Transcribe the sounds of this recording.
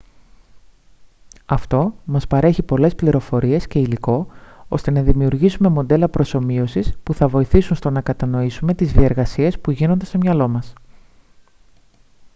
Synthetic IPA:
ɐft̪o̞mɐspɐɾe̞çipo̞le̞spliɾo̞fo̞ɾie̞sce̞iliko̞o̞̰st̪e̞nɐðimiuɾʝisume̞mo̞nd̪e̞lɐpɾo̞so̞mio̞sispuθɐvo̞iθisunst̪o̞nɐkɐt̪ɐno̞isume̞t̪izðie̞ɾɣɐsie̞spuʝino̞nd̪e̞st̪o̞mɲɐlo̞mɐs

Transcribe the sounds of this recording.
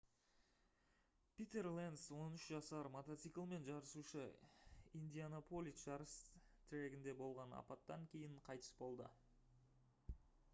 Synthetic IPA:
pʲit̪e̞rlˠend̪swo̞nʏʃʒɑsɑɾmot̪ot̪sɨkəlˠme̞nʒɑɾəsuʃə | ind̪ʲijanopʰo̞lʲˠit̪ʒɑɾəst̪ʰɪɾe̞ɡʲɪnd̪e̞bo̞lˠʁɑnɑ̰pɑt̪ːɑŋkʲʰe̞jɪɴqʰɑjt̪ə̥sbo̞lˠd̪ə̰

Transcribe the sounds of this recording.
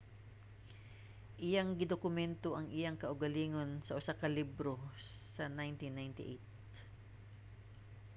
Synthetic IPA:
ʔɪjaŋɡɪd̪okʊmɛnt̪oʔɐŋʔɪjaŋkɐʔʊɡɐliːŋonsɐʔʊsakɐlibɾo̞ | sɐnajnt̪inːajnt̪ɪ̰ʔejt̪̚

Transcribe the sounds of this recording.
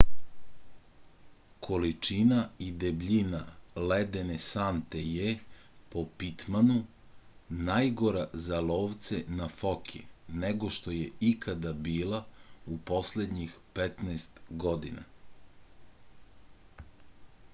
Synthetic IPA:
kʰo̞lit͡ʃinaid̪ebʎinaled̪enesant̪eje | po̞pit̪manu | najɡo̞ɾazaloːʋt̪senafokʰineɡo̞ʃt̪o̞jeikad̪abiːlaupo̞sled̪ɲixpet̪nɛːst̪ɡod̪ina̰

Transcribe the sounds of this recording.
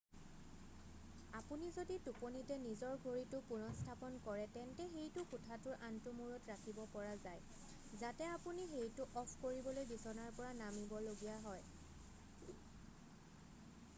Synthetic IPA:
apunizodituponitɛnizɔɹɡʱoɹitʊpunɔstʰapɔnkɔɹɛtɛntɛxejtʊkʊtʰatʊɹʔantʊmuɹɔtɹakʰibɔpɔɹazaj | zatɛapunixejtʊʔɔpʰkoɹibɔlojbisɔnaɹpɔɹanamibɔloɡijaɦɔj

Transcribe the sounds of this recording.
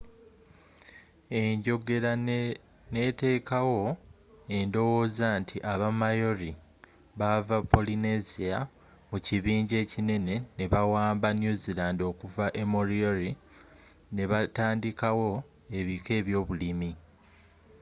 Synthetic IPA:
e̞ɲɟo̞ɡe̞ɾa | ne̞ːte̞ːkawo̞ | e̞ndo̞wo̞ːzantʰiʔaβamajo̞ɾi | βavapʰːo̞line̞zia | muciβiːɲɟe̞ːcine̞ne̞ne̞βawaːmbanjuzilaːndio̞ːkuvaʔe̞moɾioɾi | ne̞βataːndikawo̞ | e̞βike̞ːβjo̞ːβulimi

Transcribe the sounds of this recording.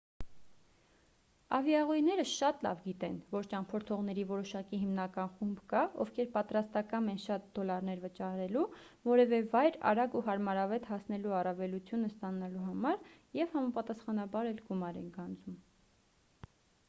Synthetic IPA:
ɑ̰vjɑʁujnɛɾəʃɑt̪lɑ̰vɡit̪ɛnvɔɾt͡ʃɑmpʰɔɾt̪ʰɔʁnɛɾivɔɾɔʃɑkiɦimnɑkɑnχumbkɑɔvkʰɛɾpɑt̪ɾɑst̪ɑkɑmɛnʃɑt̪̚d̪ɔlɑɾn̪ɛɾvət͡ʃɑɾɛlu | vɔɾɛvɛvɑjɾɑ̰ɾɑɡuɦɑɾmɑɾɑvɛt̪hɑsnɛluɑrɑvɛlut͡sʰjunəst̪ɑnɑluɦɑmɑɾjɛvhɑmɑpɑt̪ɑsχɑnɑbɑɾɛlɡumɑɾɛ̰nɡɑnd͡zum

